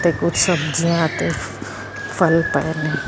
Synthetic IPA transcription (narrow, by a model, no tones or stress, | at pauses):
t̪ekʊd͡ʒsəbd͡ʒiãt̪e | pʰəlpɛɛneː